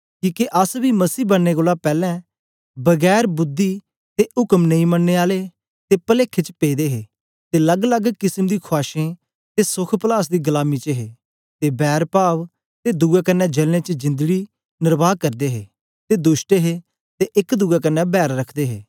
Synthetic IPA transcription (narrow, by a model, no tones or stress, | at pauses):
kiːkeʔəsbiːməsiːbənːeːkoːlapɛːlɛ̃ː | bəɡɛːɾbʊd̪ːiː | t̪eːʊkəmnəĩːmənːeːaːleː | t̪eːpəleːkʰet͡ʃpeːd̪eːɦeː | t̪eːləɡləɡkɪsəmd̪iːkʰʊaːʃẽː | t̪eːsʊkʰpəlaːsd̪iːɡəlaːmit͡ʃəɦeː | t̪eːbɛːɾpaːʋ | t̪eːd̪uːɛːkənːɛːd͡ʒəlnẽːt͡ʃəd͡ʒɪ̃nd̪ɡiː | nɪɾbaːkəɾd̪eːɦeː | t̪eːd̪ʊsʈeɦeː | t̪eʔɪkd̪uːɡaːkənːɛbɛːɾɾəkʰd̪eːɦeː